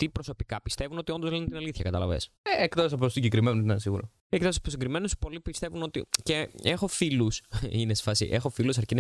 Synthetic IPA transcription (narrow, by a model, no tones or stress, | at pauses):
t̪ipɾoso̞pikɐpist̪e̞vuno̞t̪iond̪ozlint̪inɐliθçɐkɐt̪ɐlɐ̰vḛsekt̪osɐposiɲɟekɾimenunt̪ɐnsiɣṵɾo | ekt̪ɐspɾosiŋɡɾime̞nuspo̞lipist̪e̞vuno̞t̪ḭceexo̞filusinesfɐsḭʔexo̞filusɐɾcin